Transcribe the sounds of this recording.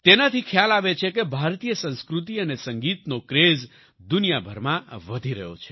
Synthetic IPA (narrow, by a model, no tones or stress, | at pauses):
t̪enat̪ʰikʰjalaʋet͡ʃʰekebʱaɾt̪ijəsə̃nskɾut̪̬iənesəŋɡit̪nokɾez | d̪unijabʱəɾmãʋəd̪ʱiɾəɦjo̰t͡ʃʰe̥